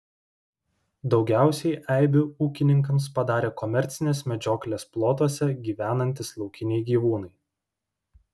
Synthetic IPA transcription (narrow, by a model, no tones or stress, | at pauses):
d̪ɒʊɡʲæˑʊsʲɛɪʔæˑɪbʲʊuːkʲɪnʲɪŋkɐms̬pɐd̪ɑːɾʲeːkɔmʲɛɾʲt̪sʲɪnʲeːsmʲɛd͡ʒʲoːklʲeːsplˠoːt̪uɔsʲɛɡʲiːʋʲæːnɐnʲt̪ʲɪslˠɒʊkʲɪnʲɛɪɡʲiːʋuːnɐɪ